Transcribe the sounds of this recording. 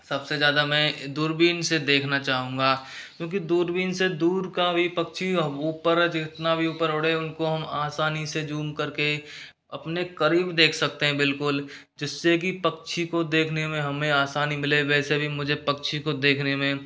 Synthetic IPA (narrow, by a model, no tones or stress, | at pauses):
sɐbsezjaːd̪amɛ̃d̪uːɾbiːnsed̪eːkʰnat͡ʃaːɦũːŋ̆ɡakjõːk̬id̪uːɾbiːnsed̪uːɾkabʱipɐkt͡ʃʰiuːpəɾt͡ʃɪt̪nabʱiuːpəɾʊɽ̤eʊnkoɦɐmaːsaːnised͡ʒuːmkɐɾke | ɐpnekɐɾiːbd̪eːkʰsɐk̚t̪eɦɛ̃bɪlkʊl | d͡ʒɪsːek̬ipɐkt͡ʃʰikod̪eːkʰnemẽɦɐmẽaːsaːnimɪleʋɛːsebʱimʊd͡ʒʱepɐkt͡ʃʰikod̪eːkʰnemẽ